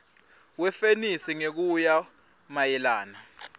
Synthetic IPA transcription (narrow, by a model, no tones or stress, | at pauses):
wɛfenisiŋek̬uja | majɛlaːna